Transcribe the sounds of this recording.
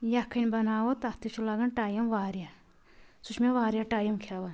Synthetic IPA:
jakʰɐnʲbɐnaːwot̪ɐht̪it͡ʃʰulaɡɐnʈaːjɐmʋaːɾja | sut͡ʃʰmeʋaːɾjaʈaːjɐmkʰaʋɐn

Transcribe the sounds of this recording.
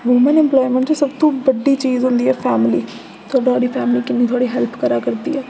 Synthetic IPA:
ʋoːmənɪ̃mplɔːimə̃ɳʈːsəbt̪õːbəɖːiːt͡ʃiːzɦʊ̃nd̪iːɛːpʰɛːmliː | t̪ʰʊaːɖaːɽiːpʰɛːmliːkɪnːiːt̪ʰʊaːɽiːɦɛlpʰkəɾaːkəɾd̪ḭːɛː

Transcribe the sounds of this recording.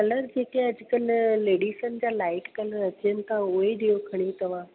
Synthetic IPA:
kɐləɾd͡ʑeːkẽɐd͡ʑʊkəlːeːɖiːʃənd͡ʑaːlaːɪʈkɐləɾɐt͡ɕijənɪ̆t̪ʰaʊɦeɗijokʰɐɽ̃it̪ɐʋ̤aː

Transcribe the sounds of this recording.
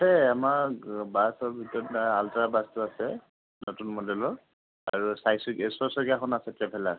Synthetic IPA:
hɛamaɹbasɔbʱitɔtaaltaɹabastʊasɛ | notunmɔdɛlɔɹ | a̰ɹusajsɔɡɛsɔsɔɡiaxɔnasɛtabʱɛla

